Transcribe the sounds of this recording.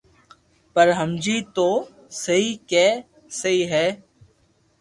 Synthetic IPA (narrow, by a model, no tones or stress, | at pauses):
pəɾɦəmd͡ʒiːt̪oː | səɦiːkɛː | səɦiːɦɛː